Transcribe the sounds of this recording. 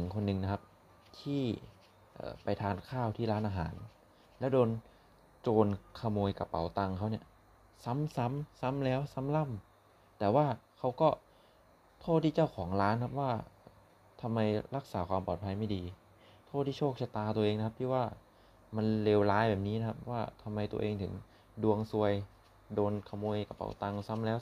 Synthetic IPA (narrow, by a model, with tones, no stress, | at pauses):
nʰɯ˨˩˦ŋkʰo˧nːɯ˧ŋna˦kʰa˦˥p̚ | t̪ʰiː˥˩ | ʔɤ̰ː˨˩pa˧jt̪ʰaː˧nkʰaː˥˩wt̪ʰiː˥˩laː˦˥nʔaː˧ɦa̰ː˩˦n | lɛ˦˥wdoː˧n | t͡ɕoː˧nkʰa˧moː˧jka˧pa̰˩˦wt̪a˧ŋkʰa˦˥wni˥˩ | sa˦˥msa˦˥msa˦˥mlɛː˦˥wsa˧˦˥mla˥˩m | t̪ɛː˨˩waː˥˩kʰa˦˥wkɔː˥˩ | t̪ʰoː˥˩t̪ʰːiː˥˩t͡ɕa˥˩wkʰɔː˩˦ŋɾaː˦˥nkʰa˦˥p̚waː˥˩ | t̪ʰa˧mːa˧jɾa˦˥k̚saː˩˦kʰwaː˧mpɔː˨˩t̪pʰa˧jma˥˩jdiː˧ | t̪ʰoː˥˩t̪ʰiː˥˩oː˥˩k̚t͡ɕʰa˧˩t̪aː˧t̪u˧əʔeː˧ŋna˦kʰa˦p̚t̪ʰiː˥˩waː˥˩ | ma˧nleː˧wlaː˦˥jbɛː˨˩p̚niː˦˥na˦˥kʰa˦˥p̚waː˥˩t̪ʰa˧mːa˧jt̪u˧əʔeː˧ŋt̪ʰɯ˩˦ŋ | du˧əŋsu˧əj | doː˧nkʰa˧moː˧jka˧pa̰˧˩˦wt̪a˧ŋsa˦˥mlɛː˦˥w